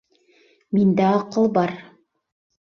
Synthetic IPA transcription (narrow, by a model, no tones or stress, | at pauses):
mind̪æɑqɤlˠbɑɾ